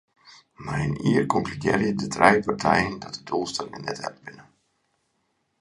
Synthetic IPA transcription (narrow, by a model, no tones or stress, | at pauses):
marəniːərkɔŋklykjɛ̰rjədədrʔɛjpartʰɛ̰jəndɔt̚dədulˠstɛnŋənɛtɛ̰pbɪnə